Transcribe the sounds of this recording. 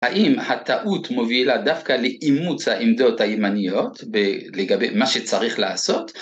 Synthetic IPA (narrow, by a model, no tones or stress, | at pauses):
haʔimhat̪aʔut̪mo̞vilad̪afkaleʔimut͡shaʔemd̪o̞t̪hajemanijo̞t̪beleɡabḛmaʃet͡saʁiχlaːso̞t̪